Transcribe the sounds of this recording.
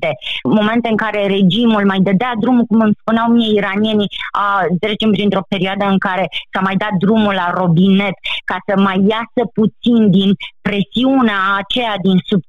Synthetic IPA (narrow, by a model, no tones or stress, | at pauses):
e̞mo̞me̞nt̪e̞ɨŋkaɾe̞ɾe̞d͡ʒimulmajd̪əd̪ead̪ɾumukumɨmspuneawmieiɾanije̞niat̪ɾe̞t͡ʃe̞mpɾint̪ɾo̞pe̞ɾioad̪əɨŋkaɾe̞samajd̪at̪̚d̪ɾumulaɾo̞bine̞t̪kasəmajːasəput̪sind̪inpɾe̞siuneaːt͡ʃe̞jad̪insub̚